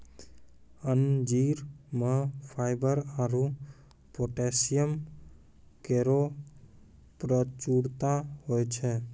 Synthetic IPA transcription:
ənd͡ʒiɾməpʰaɪbəɾaɾu | poʈesijəm | keɾo | pɾət͡ʃuɽt̪aɦojt͡ʃʰɛ

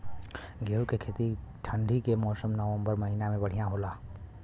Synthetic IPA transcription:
ɡeukekʰeːt̪iʈʰə̃ɳɖʱikemɔːsəmnəʋə̃mbəɾmɐɦinamẽbəɽ̤ijãɦoːlaː

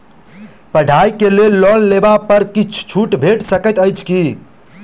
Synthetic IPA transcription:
pəɖʱajikelelːɔllebapəɾkit͡ʃʰt͡ʃʰuʈbʱeʈsəkət̪əjt͡ʃʰki

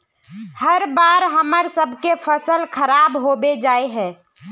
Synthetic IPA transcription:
hɐɾbaːɾɦɐməɾsəbʱkefʰəsəlkʰəɾaːbɦoːbed͡ʒaːeɦɛ̃ː

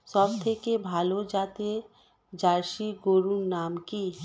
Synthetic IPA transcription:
sɔbt̪ʰekebʱaːlod͡ʒaːt̪e | d͡ʒaːɾʃiɡoɾunnaːmki

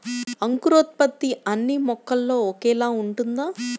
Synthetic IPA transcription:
ɐŋkuɾoːt̪̚pɐt̪ːiɐnːimɔkːɐlːo̞ːɔkɛːlaːuɳʈund̪aː

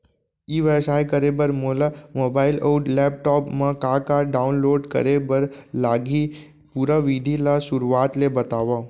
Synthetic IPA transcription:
iʋəsajkəɾebəɾmolamobailʔouʈlɛp̚ʈɔpmãkakaɖaunloɖkə̰ɾebəɾlaɡi | puɾaʋid̪ʱilasʊɾuat̪lebət̪aʋa

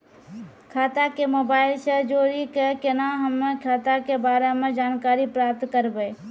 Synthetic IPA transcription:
kʰaːt̪akemoːbaːɪlsəd͡ʒoːɾikekenaɦəmːẽkʰaːt̪akebaːɾemẽd͡ʒaːnkaːɾipɾaːp̚t̪kəɾbee

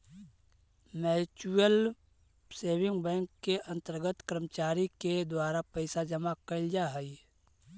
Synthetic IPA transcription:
mɛːt͡ʃuəl | seːwɪ̃ŋɡbɛ̃ːŋkːeʔɐ̃nt̪əɾɡət̪kɾəmət͡ʃaːɾiked̪waːɾapəɪsad͡ʒəmakəld͡ʒaɦəi

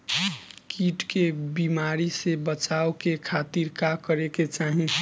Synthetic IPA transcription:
kiʈkebimaɾisebət͡ʃaːokekʰat̪iɾkakəɾeket͡ʃaːɦĩ

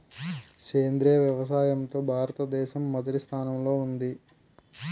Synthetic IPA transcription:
keːnd̪ɾijɐʋjɐʋɐs̬aːjɐmt̪o̞ːbʱaːɾɐt̪ɐd̪ɛːʃɐmːɔd̪ɐʈist̪ʰaːnɐmlo̞ːund̪i

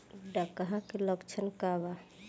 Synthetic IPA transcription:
ɖakaɦãkeləkt͡ʃʰənkaba

